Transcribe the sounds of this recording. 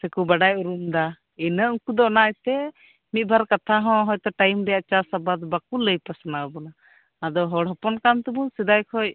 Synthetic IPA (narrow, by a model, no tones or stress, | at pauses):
sɛkubaɖajuɾumd̪a | inəuŋkud̪ɔɔnajt̪ɛ | mit̪̚ˀbʱaɾkat̪ʰaɦɔ̃ɦɔjt̪ɔʈajmɾɛjaʔt͡ʃasabad̪ɔbakuləjpasɔnaəbɔnaː | d̪ɔɦɔɽɦɔpɔnkant̪ubusɛd̪ajkʰɔj